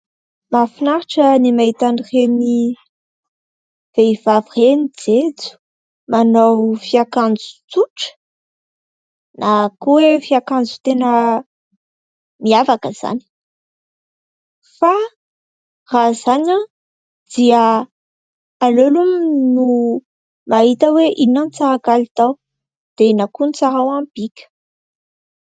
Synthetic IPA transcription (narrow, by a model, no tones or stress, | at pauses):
mafinaɾaʈ͡ʂənimait̪anireni | v̥eiv̥avirenid͡zed͡zu̥ | manowfiakand͡zu̥t͡suʈ͡ʂə̥ | nʔakowefiakand͡zu̥t̪enə | miavakəz̥a̰ni̥ | fa | razaɲa | d̪̥iə | lolumnu | maɦit̪əweʔinant͡saɾakalit̪aw | d̪̥enakunit͡saɾawambikʲə̥